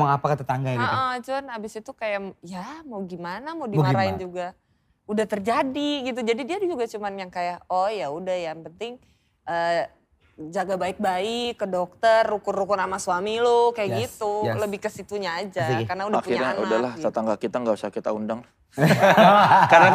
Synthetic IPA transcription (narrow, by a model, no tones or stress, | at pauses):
aŋapakət̪ət̪aŋɡaəʔəd͡ʒuanabɪsit̪ukajajamawɡimanamaɡimaɾaɪnd͡ʒuɡa | udaht̪ərd͡ʒadiɡit̪̬ud͡ʒadidiadud͡ʒuɡat͡ʃumanjaŋkajaɔjaudahjaŋpənt̪ɪŋ | ʔə | d͡ʒaɡabaɪk̚baɪkːədɔk̚t̪ərːukʊrukʊrnamasuamilokajaʔɡit̪uləbɪhkəsit̪uɲaːd͡ʒakarnaudaakuiɲaɲaʔudalaht̪ət̪aŋɡakit̪aŋɡausakit̪a̰undaŋ | karna